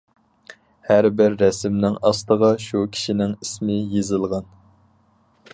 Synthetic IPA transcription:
hæɾbɪɾːɛsɪmnɪŋɑst̪əʁɑʃukʲʰi̥ʃinɪŋismɪjezɨlˠʁɑn

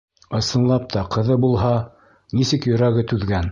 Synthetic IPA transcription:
ɤ̆sɤ̆nlˠɑp̚t̪ʰɑqʰɤ̆ðɤbulˠɦɑ | nisɘkjɵ̆ɾæɡɘt̪ʉðɡæn

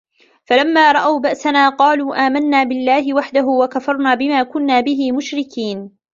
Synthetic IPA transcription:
falamːaːɾˤɑʔawbaʔsanaːqɑːluːʔaːmanːaːbɪlːaːɦɪwaħd̪aɦʊwakafɑɾˤnaːbɪmaːkʊnːaːbɪɦɪmʊʃɾɪkiːn

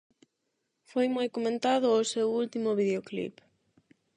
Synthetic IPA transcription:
fojmojkomẽnt̪aðʊosewult̪imʊβiðeoklḭp

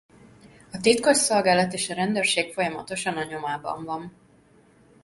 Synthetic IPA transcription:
ɒt̪it̪ko̞ʃso̞lɡaːlɒt̪eːʃɒɾɛnd̪øːrʃeːkfo̞jɒmɒ̰t̪o̞ʃɒnɒɲo̞maːbɒ̰ɱvɒɱ

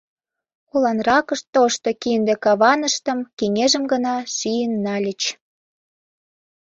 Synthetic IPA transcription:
olɑnrɑkəʃt̪oʃt̪okind̪ĕkɑβɑnəʃt̪ə̆mkeŋeʒə̆mɡənɑʃijənːɑlʲət͡ɕ

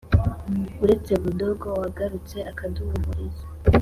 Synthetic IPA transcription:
uɾe̞t͡se̞βudo̞ɡowaɡaɾut͡se̞akaduumuɾizḁ

